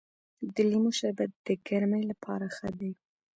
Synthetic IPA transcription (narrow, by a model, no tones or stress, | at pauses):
d̪əlimoʃabat̪̚d̪̥əɡaɾmajlapʰɑ̰ɾaxad̪aj